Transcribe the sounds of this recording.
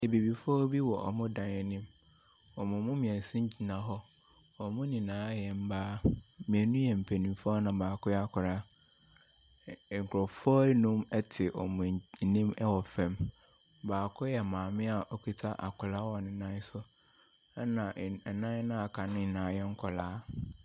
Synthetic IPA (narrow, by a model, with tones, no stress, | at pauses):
e˨bi˨bi˨fɔ˦bi˦wɔ˨ʔɔ̰˨mʊ̃˦dã˨nɛ˨nĩ˦m | ɔ˨mʊ̃˨mʊ̃˦mĩ˨ɛ˨n˨sĩ˦ɲ˦d͡ʑi˨nã˨ɦɔ˦ | ɔ˨mʊ̃˦nĩ˨nãː˨˦jɛ˨m̩˦baː˦mĩ˨ɛ˨nũ˦jɛ˨m̩˨pʰe˨nĩ˨fɔ˦nã˨baː˨kʊ˦jɛ˦a˦kʰʊ˨ɾa˦˨ | ŋ̩˨kʰɾɔ˨fɔ˦nũ˦mɛ˦tʰɪ˨ʔɔ̰˨mʊ̃˨nĩ˦mɛ˦wɔ˨fɛ̃˨m | baː˨kʰʊ˦jɛ˨mãː˨mɪ̃˦a˨ʔɔ˦kʰi˦tʰa˦ʔa̰˨kʰʊ˨la˦wɔ˨nɪ̃˨nã˦sʊ˦ | ɛ˦nã˨ɛ˨nã˦ɛ˦nã˦a˨kʰa˨nɪ̃˦˨nã˨˦jɛ˦ŋ̩˦kʰɔ˨laː˦